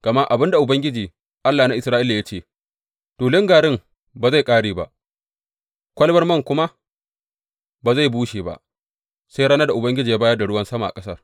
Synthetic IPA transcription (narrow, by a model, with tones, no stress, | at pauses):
ɡ̥ɐ˨ma˦ʔa˨bɪ˦nda˨ʔʊ˨bɐ˦ŋɡʲɪ˦d͡ʒiː˨ | ʔa˦lːaː˨na˦ʔɪ˨sɾaː˦ʔɪ˦lːa˨ja˦t͡ʃeː˦˨ | toː˨lɪ˦ŋɡaː˨ɽɪ˦m | ba˨za˦˨jkʼaː˦ɽeː˨ba̰˦ʔ | kʷɐ˦lbɐ˦rmɐ˦˨ŋkʷʊ˦ma˦ | ba˨za˦˨jbuː˦ʃeː˨ba̰˨ʔ | sa˦jɽa˦na˦da˨ʔʊ˨bɐ˦ŋɡʲɪ˦d͡ʒiː˨ja˦baː˦jɐ˦da˨ɽʊ˦wɐ˦nsɐ˦ma˨a̰˨kʼɐ̥˦sɐ˦r